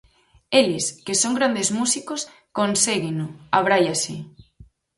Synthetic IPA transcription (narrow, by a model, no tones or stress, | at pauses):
eleskesoŋɡɾand̪ezmusikos | konseɣenoaβɾajasi